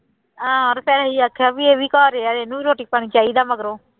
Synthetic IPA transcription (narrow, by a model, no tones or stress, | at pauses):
ãːɔɾpɛːɾaɦiːaːkʰːjaːbiːeːbiːkɔːɾeːaːeːnũːiːɾoːʈiːpaːɽ̃iːt͡ʃaːiːd̪aːməɡɾoː